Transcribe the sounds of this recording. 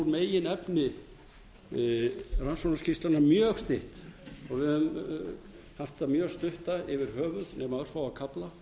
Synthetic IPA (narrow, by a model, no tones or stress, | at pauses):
uɾmeːjɪnɛpnɪ | ransɔnascʰist̪lanamjœɣst̪ɪht̪ɔɣvɪðʏm | haft̪amjœːɣst̪ʏht̪aɪvɪɾ̥hœːvʏðnɛmaœɾ̥fawakʰapla